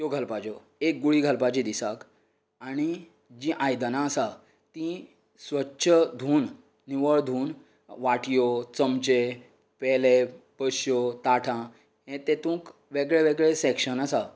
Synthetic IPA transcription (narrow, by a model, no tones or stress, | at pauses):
jjoɡʱəlpat͡ɕɔ | ek̚ɡuɭiːɡʱəlpat͡ɕid̪isak | aɽ̃i | d͡ʑĩʔajd̪ənãəsa | t̪ĩ | sʋətːɕʰəd̪ʱuːnː | iʋəɭd̪ʱuːn | ʋaʈjot͡səmt͡ɕe | pɛlepəɕjot̪aʈʰã | ɦẽt̪et̪ũːk | ʋeɡɭeʋeɡɭesɛkʂənəsa